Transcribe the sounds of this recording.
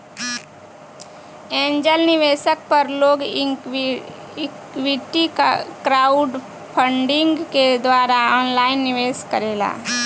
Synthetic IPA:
ẽːɲd͡ʒəlnɪʋeːsək̚pəɾloːɡ | wiʈikɾaːʊɖ | pʰəɳɖɪ̃ŋɡked̪waːɾaɔːnlaːɪnːɪʋeːskəɾeːla̰ː

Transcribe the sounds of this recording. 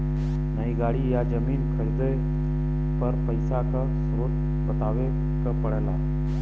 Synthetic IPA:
nəiɡaːɽijad͡ʒəmiːnkʰəɾd̪ə | pəɾpəɪsakʰa | sʊɾoːt̪ | bət̪aːʋe | kəpəɽeːlaː

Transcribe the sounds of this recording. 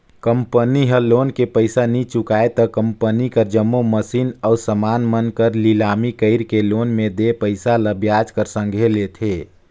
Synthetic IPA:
kəmpəniɦəloːnkepəɪsanit͡ʃukaːet̪ɔkəmpənikəɾd͡ʒəmːoməsiːnɔːsəmaːnmənkəɾlilaːmikəɪɾkeloːnmẽd̪epəɪsaləbjaːd͡ʒkəɾsə̃ŋɡʱelet̪ʰeː

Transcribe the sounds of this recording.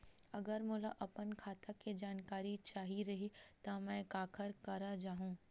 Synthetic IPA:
ɐɡəɾmʊlaʔɐpənkʰaːt̪aked͡ʒaːnkaːɾit͡ʃaːɦiɾɐɦit̪ɐmɛ̃ːkaːkʰəɾkɐɾad͡ʒaːɦũː

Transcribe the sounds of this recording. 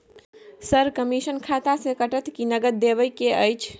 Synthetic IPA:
səɾkəmisənkʰat̪asẽkəʈət̪kinəɡəɾd̪ebəjkeəjt͡ʃʰ

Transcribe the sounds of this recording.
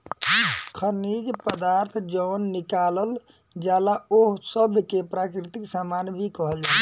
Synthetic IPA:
kʰənid͡ʒpəd̪aɾt̪ʰd͡ʒɔnːikaləl | d͡ʒalaoɦsəbʱkepɾakɾit̪iksamanbʱikəɦəld͡ʒa

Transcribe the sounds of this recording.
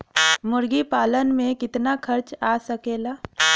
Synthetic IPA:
mʊɾɡipaːlənmẽkɪt̪nakʰɐɾt͡ʃaːsəkeːlaː

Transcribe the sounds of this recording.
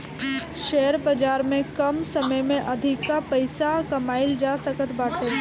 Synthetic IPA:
ʃɛːəɾbəd͡ʒaːɾmẽkɐmsɐməjmẽʔɐd̪ʱɪkːapəɪsakɐmaːɪld͡ʒaːsəkət̪baːʈʰə

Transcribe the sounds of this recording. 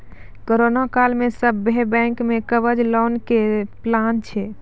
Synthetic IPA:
koɾonakalmẽsəbːebɛ̃ŋkmekəbəd͡ʒlɔnkeplant͡ʃʰɛ

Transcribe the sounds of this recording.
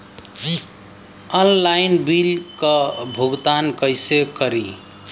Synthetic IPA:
ənlajnbilkəbʱuɡt̪ankəjsekəɾi

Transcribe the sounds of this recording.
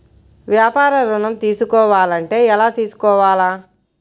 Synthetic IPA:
ʋjaːpaːɾɐɾuɳɐmt̪iːsukɔːʋaːlɐɳʈe̞ːɛlaːt̪iːsu̥kɔːʋaːlaː

